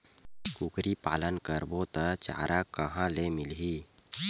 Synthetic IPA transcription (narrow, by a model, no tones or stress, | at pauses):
kukɾipa̰lənkəɾbot̪ət͡ʃa̰ɾʔakəɦãlemilɦi